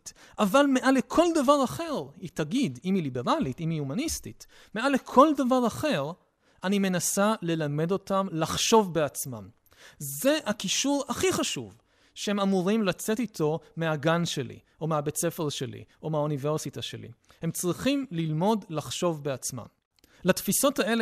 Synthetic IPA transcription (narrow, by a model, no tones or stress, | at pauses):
tʔavalmeʔalekʰo̞ldavaʁaχe̞ʁitaɡidimilibe̞ʁalitimiumanistit | mealekʰo̞ldavaʁaχe̞ʁ | ʔanime̞nasale̞lame̞do̞tamlaχʃo̞vbe̞at͡sma̰m | ze̞ʔakiʃuʁaχiχaʃṵv | ʃehe̞mamuʁimlat͡se̞titʰo̞meaɡanʃe̞lḭ | o̞meabe̞t͡se̞fe̞ʁʃe̞lḭʔo̞meaonive̞ʁsitaʃḛlḭhe̞mt͡sʁiχimlilmo̞dlaχʃo̞vbe̞at͡sma̰m | latfiso̞tae̞le